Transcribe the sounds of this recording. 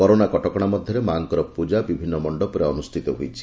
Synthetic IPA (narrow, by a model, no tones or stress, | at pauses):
kɔɾonakɔʈɔkɔɽ̃amɔd̪ʱjɔɾemaŋkɔɾɔpud͡ʒabibʱinːɔmɔɳɖɔpɔɾeɔnusʈʰit̪ɔɦujt͡ʃʰi̥